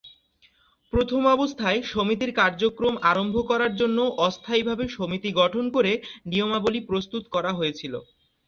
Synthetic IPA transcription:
pɾot̪ʰomɔbost̪ʰaeʃomit̪̬iɾkaɾd͡ʑokɾomaɾombʱokɔɾaɾd͡ʑonːoʔɔst̪ʰajbʱabeʃomit̪iɡɔʈʰonkoɾeniomabolipɾost̪ut̪kɔɾaɦojet͡ɕʰilo̰

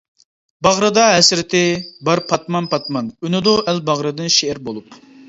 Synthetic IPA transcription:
bɑʁɾɨd̪ɑɦɛsɾɪt̪ʰɪbɑɾpʰɑt̪mɑnpʰɑt̪mɑnynɨd̪uʔælbɑʁɾɨd̪ɨnʃeɪɾbolˠup

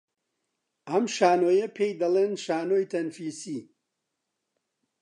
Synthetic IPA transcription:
ɐmʃaːnoːjɐpʰejd̪ɐlˠenʃaːnoːjt̪ʰɐnfiːsi

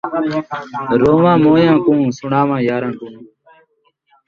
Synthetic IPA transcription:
ɾoːʋãːmoːjãːkũːsʊɳaːʋãːjaːɾãːkũː

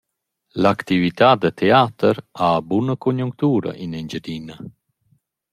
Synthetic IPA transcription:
lakt̪ivit̪ad̪ət̪ʰeat̪əɾabunəkonjuŋkt̪uːɾa̰ʔinind͡ʒəd̪ina

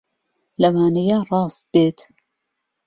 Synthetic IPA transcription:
lɐwaːnɐjarˤɑːst̪̚b̥eːt̪

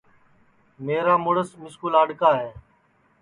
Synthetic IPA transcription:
meːɾaːmʊɽəsmɪskuːlaːɖkaːɦeː

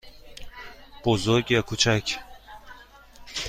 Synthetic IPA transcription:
b̥ozoɾɡjakʰut͡ʃʰac

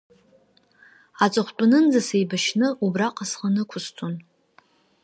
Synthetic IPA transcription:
at͡sʼɨχʷtʷʼʊnɨnd͡zasejbaʃnɨʔubraqʼasχanɨkʷʰʊstʷʰon

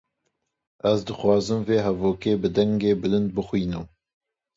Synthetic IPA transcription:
ɛzd̪ɨxwɑːzɨmveːɦɛvoːkeːbɨd̪ɛŋɡeːbɨlɨnd̪̚bɨxwiːnɨm

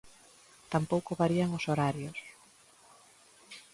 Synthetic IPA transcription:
t̪ampowkoβaɾiaŋʊsoɾaɾjʊs

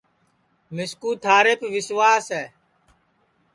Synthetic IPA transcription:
mɪskuːt̪ʰaːɾeːpʋɪswʋaːsɛː

